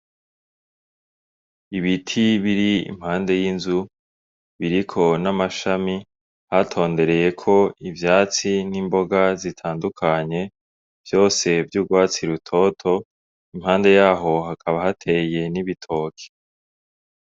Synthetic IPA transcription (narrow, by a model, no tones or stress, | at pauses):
iβitʰiβiɾiḭmhaːnde̞jinzu | βiɾikʰo̞namaʃami | hatʰo̞ːnde̞ɾe̞je̞kʰo̞ivjaːt͡sinimbo̞ɡazitʰaːndukʰaɲe̞ | v̥jo̞ːse̞vjuːɡwaːt͡siɾutʰo̞tʰo̞ | imhaːnde̞jaːɦo̞ɦakʰaβahatʰe̞je̞niβitʰo̞ːkʰe̥